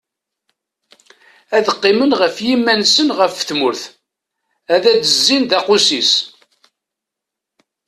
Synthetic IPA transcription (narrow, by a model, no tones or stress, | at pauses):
æðəqːɪmənʁəfjimːænsənʁəfθmʊɾθ | æðædəzːind̪æqʊsis